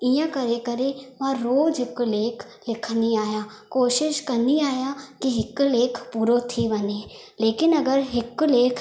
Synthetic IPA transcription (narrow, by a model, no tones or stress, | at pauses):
ɪjãːkəɾeːkəɾeːʋãːɾoːd͡ʒɪkleːkʰ | lɪkʰniːaːjaː | koːʃɪʃkəɾniːaːjaːkɪɦɪkːleːkʰpuːɾoːt̪ʰiːʋəneː | leːkɪnəɡəɾɦɪkleːkʰ